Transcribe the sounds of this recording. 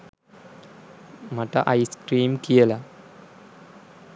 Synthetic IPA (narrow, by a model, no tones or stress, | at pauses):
mɐʈɐ̰ʔɐjskɾiːmkijɐlɐ